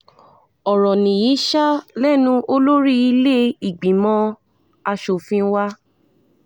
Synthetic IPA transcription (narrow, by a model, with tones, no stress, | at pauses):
ɔ˨ɾɔ̃˨nĩ˨ji˨˦ʃa˦lɛ˦˨nũ˧˦ʔo˧lo˦ɾi˦i˧le˦i˦˨ɡ͡bĩ˨˦mɔ̃˧ | a˧ʃo˨fĩ˧˦wa˦